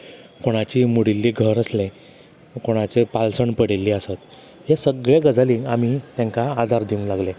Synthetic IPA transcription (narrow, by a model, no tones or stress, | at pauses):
koɽ̃at͡ɕiːmuɽilːiːɡʱəɾəslẽ | koɽ̃at͡ɕepalsəɳpəɽelːiːəsat̪ | jesəɡɭeɡəd͡zaliamit̪jãŋkaːd̪ʱaɾd̪iũŋlaɡlẽ